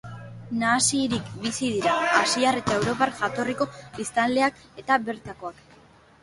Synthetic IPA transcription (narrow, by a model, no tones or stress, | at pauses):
naːsiɾikbisið̞iɾaːsiare̞t̪ae̞wɾo̞parʝat̪o̞riko̞βist̪anle̞ak | e̞t̪aβe̞ɾt̪ako̞ak